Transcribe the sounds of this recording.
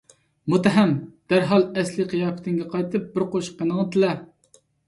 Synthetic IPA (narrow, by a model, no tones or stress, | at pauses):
mut̪æɦɛmd̪̥æɾɦɑlˠɛslɨqʰəjɑːpʰɪ̥t̪ʰɪŋɡʲɛqɑjt̪ʰɨp̚bɪɾqoʃqʰːənəŋɨt̪ɨlɛ